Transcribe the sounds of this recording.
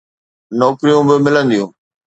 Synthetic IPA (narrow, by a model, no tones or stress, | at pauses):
nɔːkɾijũbɪmɪlə̃nd̪ijũː